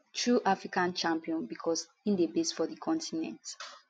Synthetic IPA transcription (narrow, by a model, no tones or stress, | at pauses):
tɹuʔafɹikãnt͡ʃãmpiɔ̃nbikʰɔs | ĩndebesfɔdikʰɔ̃ntinɛ̰̃nt